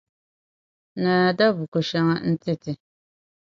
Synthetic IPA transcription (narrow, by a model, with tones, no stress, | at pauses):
naː˨da˦bu˨ko˨ʃa˦ŋa˦n̩˦tɪ˦tɪ˨